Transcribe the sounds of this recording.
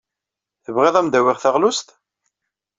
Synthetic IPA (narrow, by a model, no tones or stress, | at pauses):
θəvʁeðˤæmd̪æwɪʁθæʁlʊst̪